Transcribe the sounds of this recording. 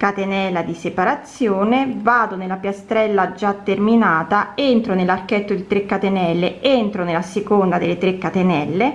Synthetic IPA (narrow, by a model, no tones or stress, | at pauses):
kat̪enɛlːad̪isepaɾat̪sːjoːnevaːd̪onelːapjast̪ɾɛlːad͡ʒat̪ːerminaːt̪aent̪ɾonelːarkɛt̪ːod̪it̪ɾekːat̪enɛlːeent̪ɾonelasekond̪ad̪elːet̪ɾekːat̪enɛlːe